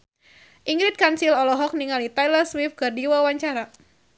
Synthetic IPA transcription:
ʔiŋɡɾit̪̚kansilɔlɔɦɔk̚niŋalit̪ajlərswif̚kɨrdiwawaɲt͡ʃaɾa

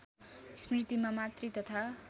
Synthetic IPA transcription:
smrit̪imamat̪rit̪ʌt̪ʰa

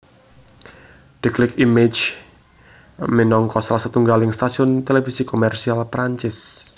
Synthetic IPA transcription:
ɖ̥iklɪkimed͡ʒ | menɔŋkɔsalasat̪uŋɡalɪŋst̪asiɔnt̪elefisikomɛrsialpɾaɲt͡ʃɪs

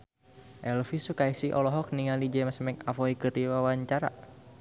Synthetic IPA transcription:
ʔɛlfisukaisiʔɔ̰lɔɦɔk̚niŋalid͡ʒɛmsmɛkafɔikɨriwawaɲt͡ʃaɾa̰

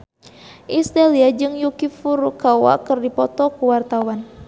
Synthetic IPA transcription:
ʔist̪aliad͡ʒɨŋjukifuɾukawa̰kɨrdipɔt̪ɔkuwart̪awan

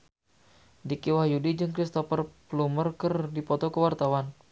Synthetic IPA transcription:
dikiwahjudid͡ʒɨŋkɾist̪ɔfərplumərkərdipɔt̪ɔkəwart̪awan

